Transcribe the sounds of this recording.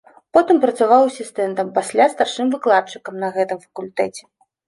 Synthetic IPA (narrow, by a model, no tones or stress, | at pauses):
pɔt̪ɨmpɾɐt̪savawsʲist̪ɛnt̪ɐmpasʲlʲast̪arʂɨmvɨklˠat̪̚t͡ʂɨkɐmnɐɣɛt̪ɨmfɐ̥kulʲt̪ɛt͡sʲɛ̥